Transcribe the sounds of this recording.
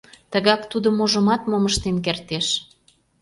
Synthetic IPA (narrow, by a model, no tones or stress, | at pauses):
t̪əɣɑkt̪ud̪ə̆moʒə̆mɑt̪moməʃt̪enk̬ert̪eʃ